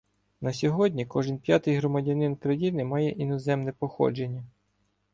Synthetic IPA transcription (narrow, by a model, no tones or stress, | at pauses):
nɐsʲɔɦɔdʲnʲikɔʒɪnpʲjat̪ɪjɦɾɔmɐdʲɐnɪnkɾɐjinɪmɑjɛʔinɔzɛmnɛpɔxɔ̰d͡ʒe̞nʲːɐ